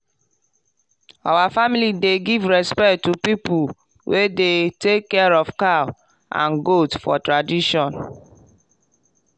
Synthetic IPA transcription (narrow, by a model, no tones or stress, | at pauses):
awafamilideɡivɹɛspɛktːupipu | wʔedetekːɛɹɔvka | ã̰nɡotfɔ̰tɹadiʃɔ̃n